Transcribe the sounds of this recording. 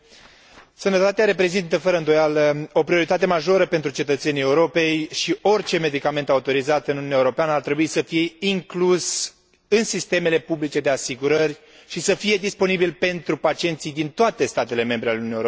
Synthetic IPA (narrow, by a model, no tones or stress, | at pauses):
sənət̪at̪eaɾe̞pɾe̞zint̪əfəɾəɨnd̪o̞jaləo̞pɾio̞ɾit̪at̪e̞maʒo̞ɾəpe̞nt̪ɾut͡ʃe̞t̪ət̪se̞nije̞uɾo̞pe̞jʃio̞rʲt͡ʃe̞me̞d̪ikame̞nt̪aut̪o̞ɾizat̪ɨnununjeuɾo̞peanəart̪ɾe̞buisəfije̞iŋklus | ɨnsist̪e̞me̞le̞publit͡ʃe̞d̪e̞asiɡuɾərʲ | ʃisəfije̞d̪ispo̞nibilpe̞nt̪ɾupat͡ʃient̪sijd̪int̪oat̪e̞st̪at̪e̞le̞me̞mbɾealeuunjeɾo